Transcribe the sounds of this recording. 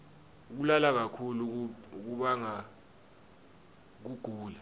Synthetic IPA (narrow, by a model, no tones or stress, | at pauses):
uk̬ulalak̬akʰuluk̬uɓaŋa | k̬uɡ̥ʱuːla